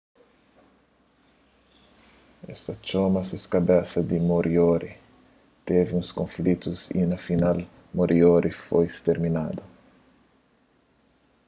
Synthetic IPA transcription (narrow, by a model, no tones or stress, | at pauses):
ɛ̰st̪ɐt͡ʃomɐsɪskɐbɛsɐd̪imoɾʔioɾi | t̪evɪũskõflit̪uzḭnɐfinal | moɾʔioɾʔifojst̪eɾminad̪ʊ